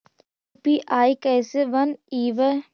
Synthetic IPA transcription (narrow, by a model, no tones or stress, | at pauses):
piːʔaːjkɐːseʋɐniːʋə